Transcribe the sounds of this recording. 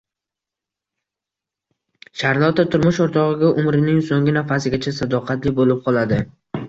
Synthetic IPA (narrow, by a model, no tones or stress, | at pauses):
ʃaɾlˠɒt̪ʰat̪ʰʊɾmʊʃoɾt̪ʰɒʁɨɡʲaʔʊmɾɪnɪŋsoŋɡʲɪnafasɪɡʲat͡ʃʰasad̪ɒqʰɑt̪lɪbolɪp̚qʰɒlˠad̪ɪ